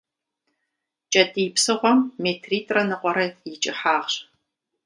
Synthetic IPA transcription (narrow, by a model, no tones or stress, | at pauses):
t͡ʃʼɐdiːpsɨʁʷɔmːeːtʰriːtʼrɐnɨqʷʼɔɾɐjɪt͡ʃʼɪħaːʁɕ